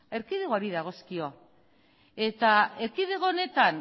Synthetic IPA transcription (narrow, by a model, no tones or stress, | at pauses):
e̞ɾkiðeɣoaɾiðaɣ̞o̞skio̞ | e̞t̪ae̞ɾkiðe̞ɣoone̞t̪an